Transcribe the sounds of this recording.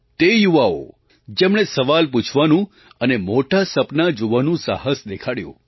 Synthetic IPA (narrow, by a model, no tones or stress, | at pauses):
t̪ejuʋao̰ | d͡ʒemɽ̃esəʋalp̬ut͡ʃʰʋanũ | ənemoʈasəpnad͡ʒoʋanũsa̰həsd̪ekʰaɽjṵ̃